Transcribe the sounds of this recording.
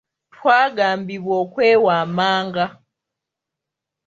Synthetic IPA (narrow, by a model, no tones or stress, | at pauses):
tʰwaːɡambiβwɔkwɛwamaːŋɡa